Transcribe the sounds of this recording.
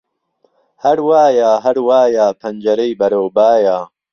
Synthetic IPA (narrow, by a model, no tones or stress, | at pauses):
hɐɾwaːjaːɦɐɾwaːjaːpʰɐnd͡ʒɐɾɐjbɐɾoːbaːjaː